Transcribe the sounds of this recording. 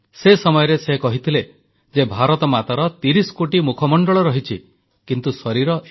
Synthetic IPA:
sesɔmɔjɔɾesekɔɦit̪ʰile | d͡ʒebʱaɾɔt̪ɔmat̪aɾɔt̪iɾisɔ̥koʈimukʰɔmɔɳɖɔɭɔɾɔɦit͡ʃʰi | kint̪usɔɾiɾɔʔ

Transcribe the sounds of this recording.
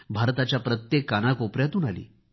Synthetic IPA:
bʱaɾt̪at͡ɕjapɾət̪jekːanakopɾjat̪uːnalḭː

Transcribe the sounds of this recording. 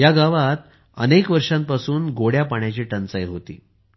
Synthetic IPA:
jaɡaʋat̪̚ | ə̰nekʋəɾʂãm̚pasuːnɡoɽjapaɳjat͡ɕiːʈənt͡səjɦot̪ḭː

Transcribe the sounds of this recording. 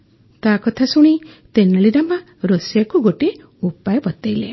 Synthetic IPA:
t̪akɔt̪ʰasuɽ̃it̪enaɭiɾama | ɾosjakuɡoʈi | upajɔbɔt̪ejle

